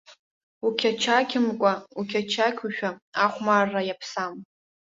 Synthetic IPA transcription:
ukʲʰat͡ʃʰakʲʰɪmkʷʼaukʲʰat͡ʃʰakʲʰuʃᶣaaχʷmarːajapʰsam

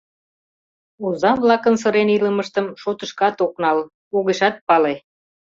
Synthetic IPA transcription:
uzɑnβlɑkənsəɾeniləməʃt̪əmʃot̪əʃkɑt̪oknɑl | oɣeʃɑt̪̚pɑle

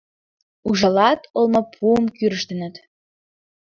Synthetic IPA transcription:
uʒɑlɑt̪ɤlmɤ̆pʰuəmkyɾə̆ʃt̪ə̆nə̆t̪

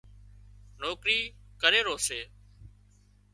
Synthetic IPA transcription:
noːkɾiːkəɾeːɾoːseː

